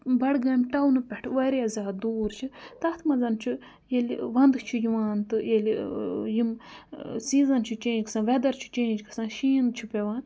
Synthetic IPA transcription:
bɐɽɡɐmʲʈɐwnɨpʲeʈʰʋɐɾiɐzaːd̪uːɾt͡ʃʰit̪ɐht̪ʰmɐzɐnt͡ʃʰi | jelʲʋɐnd̪ɨt͡ʃʰijiʋaːnt̪ɨjeljim | siːzɐnt͡ʃʰit͡ʃẽːd͡ʒkʰsãːʋed̪ɐɾt͡ʃʰi̥t͡ʃẽːd͡ʒkɨ̥sãːʃiːnt͡ʃʰipʲeʋaːn

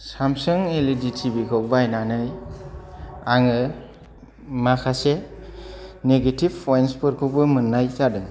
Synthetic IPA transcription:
samsɯŋeliditʰibikʰɔk̚bajnanɯj | aŋɯ | makʰase | neɡetib̚pʰːɔjnspɯɾkʰubɯmɯnːajtadɯ

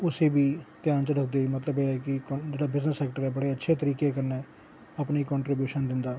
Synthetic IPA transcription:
ʊseːbiːt̪jaːnt͡ʃəɖəkʰd̪eːiːmət̪ləbeːɛːkɪkd͡ʒeːɽaːbɪznəsːɛːk̚ʈəɾɛːbəɽeːətːʃʰeːt̪əɾiːkeːkəɾnɛː | aːpniːkɔ̃ːɳʈɾibjuːʃənd̪ɪnd̪aː

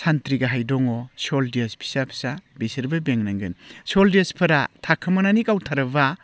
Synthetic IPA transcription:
santɾiɡɐɦajdɔŋɔsoldiɐspʰi̥sapʰi̥sabesiɾbɐbeŋnaŋɡɯ̰nsoldiaspʰɐɾa̰tʰakʰːɐmɐnanikawtʰaɾɐba

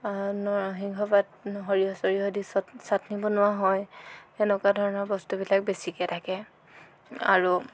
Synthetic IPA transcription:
nɔɦiŋkʰɔbadɦoɹiɔsɔɹiɦodissatnibɔnʊwaɦɔjɛnɛkwadʱɔɹɔnɔɹbɔstubilak̚besikɛtʰakɛ | a̰ɹu

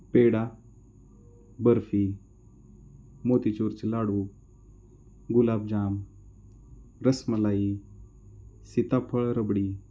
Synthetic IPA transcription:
peːɽa | bəɾfi | moːt̪it͡ʃoːɾt͡ʃilaːɽuː | ɡʊlaːb̚d͡ʒaːm | ɾəsməlaːi | sit̪aːpʰəɭɾəbɽiː

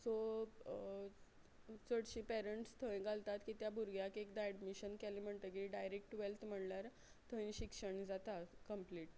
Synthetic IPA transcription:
so | t͡səɽɕĩpɛɾəɳʈst̪ʰə̃ẽɡalt̪at̪kiːt̪jabʱuɾɡjakekd̪ajɖmiɕənkɛlim̤əɳt̪əkiiɖajɾek̚ʈʋelt̪ʰm̤əɽljaɾ | t̪ʰəĩɕikʂəɳd͡zat̪akəmpliːʈ

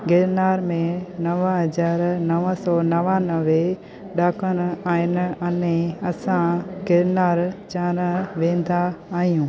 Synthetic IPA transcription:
ɡɪɾnaːɾmẽnɐʋɦɐzaːɾnɐʋəsɔːnɐʋãnɐʋe | ɗaːkənaːɪnɐnẽɐsãɡeɾnaːɾt͡ɕaːnəʋẽːn̆d̪aːɦijũː

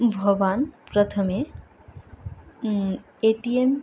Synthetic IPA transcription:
bʱəʋanpɾət̪ʰəme | eʈiem

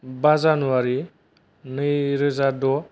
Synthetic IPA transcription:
bazanuwaɾi | nɯjɾɯzadɔ

